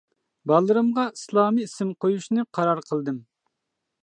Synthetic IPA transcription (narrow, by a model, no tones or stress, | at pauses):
bɑlˠːɨɾɨmʁɑislˠɑːmiisɪmqʰojuʃnɨqʰɑɾɑɾqʰəlˠd̪ɨm